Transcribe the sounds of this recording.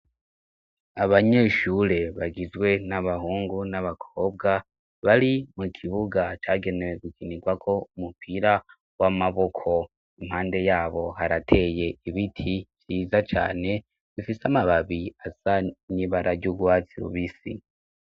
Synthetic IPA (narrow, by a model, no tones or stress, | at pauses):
aβaɲe̞ʃuːɾe̞βaɡizɡwe̞naβaɦuːŋɡunaβakʰoːb̚ɡa | βaɾimukʰiβuɡat͡ʃaːɡe̞neweɡukʰiniɡwakʰo̞umupʰiɾa | wamaβo̞kʰo̞ | im̥haːnde̞jaːβo̞ɦaɾatʰe̞je̞iβitʰiβjiːzat͡ʃa̰ːne̞ | z̥ifiseamaβaβiasaɲiβaɾaɾɟuɡwaːt͡siɾṵβisḭ